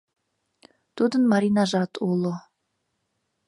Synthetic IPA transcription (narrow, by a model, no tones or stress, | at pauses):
t̪ud̪ənmaɾinaʒɑt̪ʰulˠo